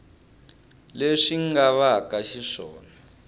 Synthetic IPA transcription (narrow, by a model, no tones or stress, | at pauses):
leʂiŋɡaβakaʃiʂɔːna